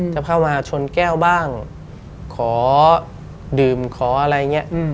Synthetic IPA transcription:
t͡ɕaː˨˩pʰaː˥˩wmaː˧t͡ɕʰo˧nkɛː˥˩wbaː˥˩ŋ | kʰɔː˩˦ | dɯː˨˩mkʰɔː˩˦ʔa˧ɾa˧ja˨˩ŋi˦˥ɐʔ

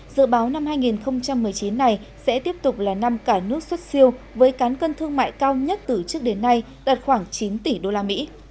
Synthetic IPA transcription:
zɨ̰˧˨ɓaː˨˦wna˧mhaː˧jŋi˨˩nxə˧wŋ͡mt͡ɕa˧mːɨ˨˩əjt͡ɕi˨˦nːa˨˧˩j | sɛ̰˧˥t̪i˦˥əp̚t̪ʊ˨˩k͡p̚laː˨˩na˧mkaː˧˩nɨ˦˥ək̚swə˦˥t̚si˧əw | vəː˨˦jkaː˨˦nkə˧nt̪ʰɨ˧əŋma̰ː˧˨jkaː˧wɲə˦˥t̚t̪ɨ˨˩t͡ɕɨ˦˥ək̚ɗe˨˦nːa˧j | ɗ̪a˨˩t̚xwaː˧˩ŋt͡ɕi˨˦nt̪i˧˩ɗo˧laː˧mḭ˧˥

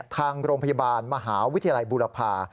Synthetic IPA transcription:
t̪ʰaː˧ŋɾoː˧ŋpʰa˧jaː˧baː˧nma˧ɦaː˩˦wi˦˥t̪ʰːa˧ja˧la˧jbuː˧la˧pʰaː˧

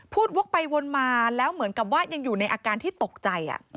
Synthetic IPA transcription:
pʰuː˥˩t̪̚wo˦˥k̚pa˧jwo˧nmaː˧lɛː˦˥wmɯ˨˩˦ənka˨˩p̬̚waː˥˩ja˧ŋjuː˨˩na˧jʔaː˧kaː˧nt̪ʰiː˥˩t̪o˨˩k̚t͡ɕa˧jʔa̰˨˩

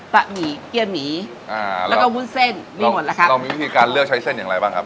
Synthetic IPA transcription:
t̪a˨˩miː˨˩˦ki˧˩ənmiː˩˦ | ʔaː˧˨˩lkɔː˥˩wu˥˩˨nse˥˩nmiː˧mo˨˦t̪̚laː˧kʰa˦˥ɾa˧wmiː˧i˦˥t̪ʰiː˧kaː˧nlɯ˥˩ək̚t͡ɕʰa˦˥jse˥˩nja˨˩ɾa˧jbaː˥˩ŋkʰa˦˥p̚

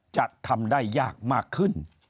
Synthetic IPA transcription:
t͡ɕa˨˩t̪ʰːa˧mdaː˥˩jːaː˥˩k̚maː˥˩kʰːɯ˥˩n

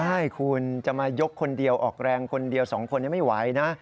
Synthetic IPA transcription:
a˥˩jkʰu˧nt͡ɕa˨˩maː˧jo˦˥kʰːo˧ndi˧əwʔɔː˨˩k̚ɾɛː˧ŋkʰo˧ndi˧əwsɔː˩˦ŋkʰo˧nːi˥˩jma˥˩jwa˨˩˦jna˦˥

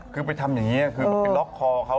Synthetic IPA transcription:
kʰɯː˧p̬a˧jt̪ʰa˧mjaː˨˩ŋːiː˦˥a˧˨˩kʰɯː˧˩e˧nlɔ˦˥kʰːɔː˧kʰa˦˥

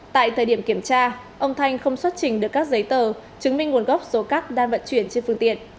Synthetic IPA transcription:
t̪a̰ː˧˨jt̪ʰəː˨˩jɗi˧˩əmki˧˩əmt͡ɕaː˧ | ʔə˧wŋ͡mt̪ʰa˧jŋ̟xə˧wŋ͡mswa˦˥t̚t͡ɕï˨˩ŋ̟ɗɨ˨˩əkːaː˦˥k̚zə˨˦jt̪əː˨˩ | t͡ɕɨ˨˦ŋmi˧ŋ̟ŋu˨˩ənɣɔ˦˥wp̚so˨˦kaː˦˥k̚ɗaː˧nvə̰˧˨nt͡ɕwi˧˩ənt͡ɕe˧nfɨ˧əŋt̪ḭ˧˨ənʔ

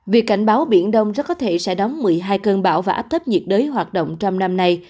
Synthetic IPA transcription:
vi˨˩əkːa˧˩jŋ̟ɓaː˨˦wɓḭ˧˩ənɗə˧wŋ͡mzə˧˦˥kɔ˨˦t̪ʰe˧˩sɛ̰˧˥ɗɔ˨˦wŋ͡mmɨ˨˩əjɦaː˧jkəː˧nɓa̰ː˧˩wvaː˨˩ʔaː˦˥p̚t̪ə˦˥p̚ɲḭ˨˩ət̚ɗəː˨˦jɦwaː˨˩t̚ɗo̰˧˨wŋ͡mt͡ɕɔ˧wŋ͡mna˧mna˧j

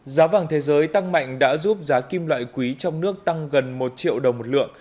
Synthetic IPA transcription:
zaː˨˦vaː˨˩ŋt̪ʰe˨˦zəː˨˦jt̪a˧ŋma̰˧˨jŋ̟ɗa̰ː˧˥zu˦˥p̚zaː˨˦ki˧mlwa̰ː˧˨jkwi˨˦t͡ɕɔ˧wŋ͡mnɨ˦˥ək̚t̪a˧ŋɣə˨˩nmo˨˩t̚t͡ɕḭ˧˨əwɗə˨˩wmo˨˩t̚lɨ̰˧˨əŋ

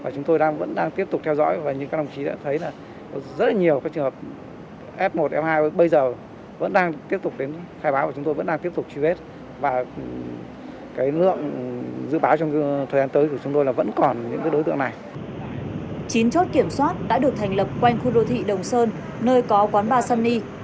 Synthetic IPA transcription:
vaː˨˩t͡ɕʊ˨˦ŋ͡mt̪o˧jɗaː˧ŋvə̰˧˥nɗaː˧ŋt̪i˦˥əp̚tʊ˨˩k͡p̚t̪ʰwzɔ̰˧˥jvaː˨˩ɲɨ̰˧˥ŋaː˨˦k̚ɗa˧ŋ͡mt͡ɕi˨˦ɗa̰ː˧˥t̪ʰə˨˦jlaː˨˩ | ɔ˨˦zə˦˥t̚la˨˩ɲi˨˩əwkaː˨˦kt͡ɕɨ˨˩həː˨˩p̚ | ʔɛ˦˥p̚mo˨˩t̚ʔɛ˦˥p̚haː˧jə˨˦ɓə˧jzəː˨˩ | və̰˧˥nɗaː˧ŋt̪i˦˥əp̚t̪ʊ˨˩k͡p̚ɗe˨˦nxaː˧jɓaː˨˦vaː˨˩t͡ɕʊ˨˦ŋ͡mt̪o˧jvə̰˧˥nɗaː˧t̪i˦˥əp̚t̪ʊ˨˩k͡p̚t͡ɕwi˧ve˦˥t̚ | vaː˨˩ | kaː˨˦jlɨ̰˧˨əŋzɨ̰˧˨ɓaː˨˦wt͡ɕɔ˧wŋ͡mt̪ʰəː˨˩zaː˧nt̪əː˨˦jku˧˩t͡ɕʊ˨˦ŋ͡mt̪o˧jlaː˨˩və̰˧˥nkɔ˨˩nɲɨ̰˧˥ŋkaː˨˦ɗo˨˦t̪ɨ̰˧˨əŋna˨˩j | t͡ɕi˨˦nt͡ɕo˦˥t̚ki˧˩əmswaː˦˥t̚ɗa̰ː˧˥ɗɨ˨˩ək̚t̪ʰɛ˨˩jŋ̟lə˨˩p̚kwa˧jŋ̟xu˧ɗo˧t̪ʰḭ˧˨ɗə˨˩wŋ͡msəː˧nː | əː˧jkɔ˨˦kwaː˨˦nɓaː˧sa˧nːi˧

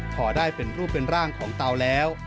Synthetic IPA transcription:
kʰɔː˩daː˥˩jpe˧nɾuː˥˩pːe˧nɾaː˥˩ŋkʰɔː˩˦ŋt̪a˧wlɛː˦˥w

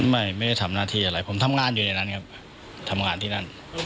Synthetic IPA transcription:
ma˥˩jma˥˩jda˥˩jt̪ʰa˧˦mnaː˥˩t̪ʰiː˥˩ʔa˧ɾa˦˧˩jpʰo˩˦mt̪ʰa˧mŋaː˧njuː˨na˧jna˦˥nkʰa˦˥p̚ | t̪ʰa˧mŋaː˧nt̪ʰiː˥˩na˥˩n

